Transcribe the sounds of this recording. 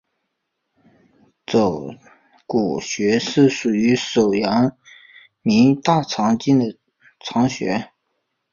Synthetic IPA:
t͡so˨˩ʊ | ku˨˩ɕɥɛ˧˥ʂɻ̩˥˩ʂu˨˩y˧˥ʂo˨˩ʊjɑ˧˥ŋ | mi˧˥ŋt̪a˥˩t͡sʰɑ˧˥ŋt͡ɕi˥nd̪ə˨˩ | t͡sʰɑ˧˥ŋɕɥɛ̰˧˥

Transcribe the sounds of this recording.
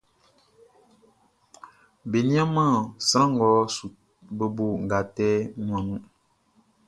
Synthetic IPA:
be˨nĩ˦a˦mãː˦˨sɾã˦ŋ̩˨ɡɔː˨˦su˨ | bə˦bo˨ŋ̩˨ɡa˨tɛː˦ŋwa˨ŋu˦

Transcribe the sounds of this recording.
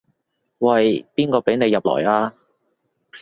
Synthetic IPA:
wɐ˨jpiː˥nkɔː˧pe˨˥jne˨˧jːɐ˨p̚lɔ̰ː˨˩jaː˧

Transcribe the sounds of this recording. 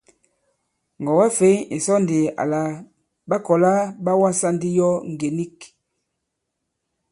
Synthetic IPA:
ŋɡɔ˨wɛ˦fe˨˦e˨sɔ˦nde˨a̰˨la˨ | ba˦kɔ˨la˦ba˦wa˦sa˦ndi˦jɔ˦ŋɡe˨ni˦k

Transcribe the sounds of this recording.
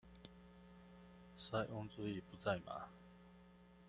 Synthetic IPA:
sa˥ɪʔʊ˥ŋt͡s̩˥˧i˥˧˩pu˧˥˦t͡sa˥˩ɪma̰˨˩˦

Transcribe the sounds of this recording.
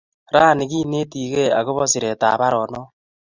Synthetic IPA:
ɾaː˦˨nɪ˨ki˦ne˦ti˨ke˦a˨ko˦βɔ˦si˨ɾe˨ta̰ː˨ba˦ɾɔ˨nɔ˦

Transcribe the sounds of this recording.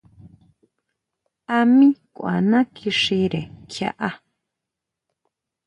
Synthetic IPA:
a˧mĩ˦kʷa̰˨nã˦kʰi˧ʂi˧ɾe˨kʰja̰˧ʔa˧

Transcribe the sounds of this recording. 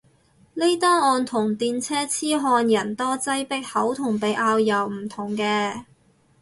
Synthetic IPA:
ne˥jt̪aː˥ŋɔː˧nt̪ʰʊ˨˩ŋt̪iː˧nt͡sʰɛː˥t͡sʰiː˥ɦɔː˧njɐ˨˩nt̪ɔː˥t͡sɐ˥jpɪ˥k̚hɐ˨˥wt̪ʰʊ˨˩ŋpe˨˧jʔaː˧wjɐ˨˩wm̩˨˩t̪ʰʊ˨˩ŋkɛː˧

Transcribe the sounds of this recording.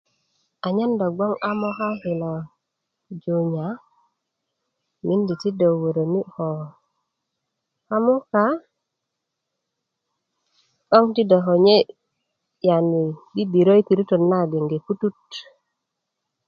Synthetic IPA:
a˨ɲa˦nda˨ɡwa˦ŋa˦mo˦ɦa˦hi˨na˨ | d͡ʒo˨ɲa˨ | mi˦ndi˨ti˦do˨wo˨ɾo˨ni˦ho˨ | ha˦mu˦ka˦ | ɓo˦ŋti˦da˨ɦo˨ɲe˦ | ja˨ni˨ɡi˦bi˨ɾo˦jti˨ɾu˦to˨nːa˦ɡe˨ŋɡe˨pu˦tu˦t̚

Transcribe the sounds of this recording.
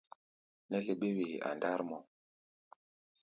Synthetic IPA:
nɛ˦le˨ɓe˦we˨a̰˨nda˦ɾmɔ˨

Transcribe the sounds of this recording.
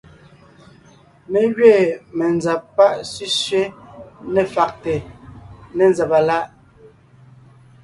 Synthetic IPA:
me˨ɣɥeː˦˨mɛ˨nd͡za˨pːa˦ʔsi˦sɥe˦nɛ˨fa˨k̚te˨ | nɛ˨nd͡zɛ˨pa˨la˦ʔ

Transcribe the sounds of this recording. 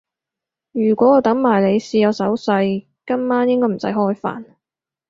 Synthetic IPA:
jyː˨˩kʷɔː˨˥ɔ˨˧wt̪ɐ˨˥ŋmaː˨˩jle˨˧jsiː˧jɐ˨˧wsɐ˨˥wsɐ˧j | kɐ˥mmaː˥njɪ˥ŋkɔː˥m̩˨˩sɐ̰˨˥jɦɔː˥jfa̰ː˨n

